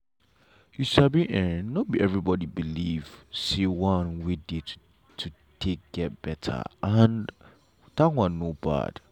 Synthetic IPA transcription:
jusabiʔɛ̃nobiɛvɹibɔdibiliv̥sewãnwide̥ | tʰu | tʰek̚ɡ̥ɛt̚b̥ɛtʰa̰an | tãkwãnːoba̰d̥

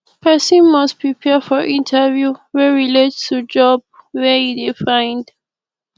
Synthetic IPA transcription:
pʰɛsɔ̃nmaspɹipʰɛfɔʔĩntʰəvjuwɛɹiletstʰud͡ʒɔb̚wɛhidifãj̃nd

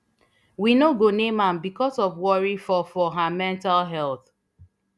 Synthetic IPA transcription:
winoɡonẽmãmbikɔsɔvwɔɹifɔfɔɦamɛ̃ntalɦɛlˠθ

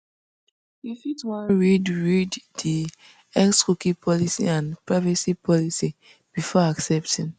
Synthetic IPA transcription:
ifitwãnɹidɹiddi | ɛkskukipʰɔlisḭãnpɹaɪvasipʰɔlisi | b̥ifɔaksɛp̚tʰĩn

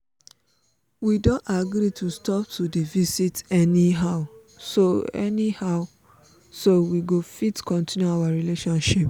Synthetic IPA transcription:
widõntaɡɾitʰustɔp̚tʰudivisitɛniɦaʊ | soɛ̰nihaʊ | sowiɡofitkɔ̃ntʰĩnjuawaɹileʃɔ̃nʃip

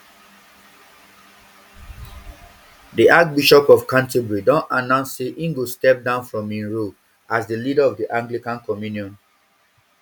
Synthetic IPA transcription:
diʔak̚biʃɔpɔfkãntebɹidɔ̃nanãʊ̃nsseʔĩŋɡostɛp̚dãʊ̃nfɹɔ̃mĩnɹu | asdəlidəɔvdiʔãŋɡlikãnkɔmjuniɔ̃n

